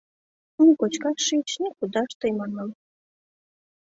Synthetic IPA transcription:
nukot͡ɕkɑʃit͡ɕnʲikud̪ɑʃt̪əjmɑnɑl

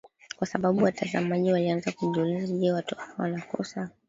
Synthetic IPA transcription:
kwasaɓaɓuwatʰaza̰maʄiwalianzakuʄɔlɛzaʄɛwatɔfawanakɔ̰sa

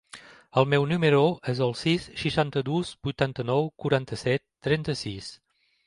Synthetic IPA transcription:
əlˠmɛwnyməɾoʔezəlˠsisʃiʃant̪əd̪uzbujt̪ant̪ənɔwkuɾant̪əsɛt̪ːɾɛnt̪əsis

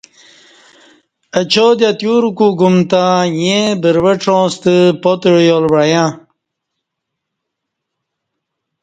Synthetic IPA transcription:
ət͡ɕod̪jat̪juɾukuɡumt̪ãjẽbəɾwəʈ͡ʂõːst̪əpot̪ɻjolwajã

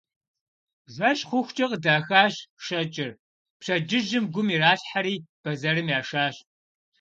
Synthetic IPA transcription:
ʒʷɐɕʼχʷʊxʷt͡ʃʼɐqədaːxaːɕʃɐt͡ʃʼɪr | pɕɐd͡ʒɪʒɪmɡʷʊmiːraːɬħaɾiːb̥ɐzɐɾɨmjaːʂaːɕ

